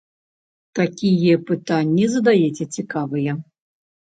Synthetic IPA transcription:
t̪akʲijɛpɨt̪anʲːizɐd̪ajɛt͡sʲɛt͡sʲikavɨjɛ

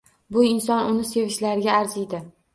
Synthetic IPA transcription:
bʊɪnsɒnʊnɪse̞vɪʃlaɾɡʲaːɾzɪjd̪ɪ

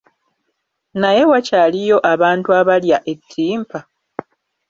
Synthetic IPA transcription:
naje̞wacaːlijo̞ʔaβaːntuaβaljaʔe̞tʰːiːmpa

